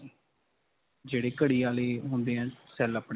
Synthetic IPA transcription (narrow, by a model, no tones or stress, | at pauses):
d͡ʒeːɽeːkəɽiːaːleːɦʊ̃nd̪eːɛ̃ːsɛːləpɽ